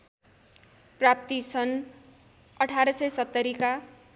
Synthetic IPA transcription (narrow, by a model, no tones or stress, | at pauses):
prap̚t̪isʌn | ʌʈʰaɾʌsʌjsʌt̪ːʌɾika